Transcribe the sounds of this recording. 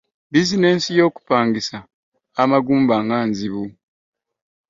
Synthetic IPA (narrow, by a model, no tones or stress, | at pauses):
bizine̞ːnsijo̞ːku̥paːŋɡisaː | maɡuːmbaːŋɡaːnziβu